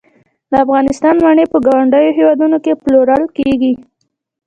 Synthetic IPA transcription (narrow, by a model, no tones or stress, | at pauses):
d̪əafɣɑnɪst̪ɑnmaɳepəɡɑwaɳɖəjoɦewɑd̪unokeploɾaɽokeɡi